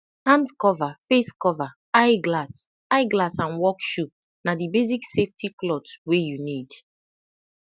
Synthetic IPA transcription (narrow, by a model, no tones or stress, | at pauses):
hãndkɔvafeskɔva | aɪɡlas | aɪɡlasãnwɔkʃu | nadibezikseftiklɔdswejunid